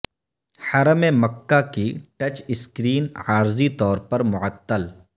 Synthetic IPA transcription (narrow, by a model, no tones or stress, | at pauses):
ħɐɾəmemɐkːakiʈɐt͡ʃɪskɾiːnaːɾzit̪ɔːɾpɐɾmʊʕət̪ːəl